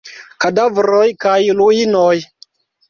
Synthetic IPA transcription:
kadavɾojkajluinoj

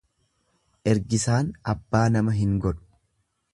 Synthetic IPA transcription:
ʔɛɾɡɪsaːnɐbːaːnɐmɐɦɪŋɡɔᶑʊ̥

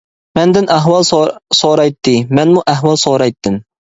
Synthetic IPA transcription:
mɛnd̪ɪnʔæɦwɑlˠsoɾɑjt̪ʰːɨmɛnmuʔæɦwɑlˠsoɾɑjt̪ʰːɪm

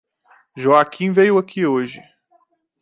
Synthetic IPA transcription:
ʒoakʰĩvejʊakʰioʒɪ̰

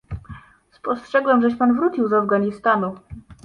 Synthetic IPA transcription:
spɔstʂɛɡwɛmʐɛɕpanvɾut͡ɕiwzavɡaɲist̪anu

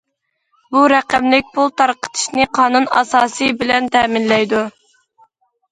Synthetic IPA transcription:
buɾæqæmlɪk̚ʲpʰulˠt̪ʰɑɾqə̥t̪ʰɨ̥ʃnɨqʰɑːnunɑ̰sɑːsɨjbɪlɛnt̪ʰɛmɪnlɛjd̪u

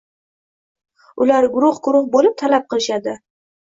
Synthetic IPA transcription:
ʊlaɾɡʊɾʊχɡʊɾʊχbolɪp̚t̪ʰalap̚qʰɨlɪʃad̪ɪ

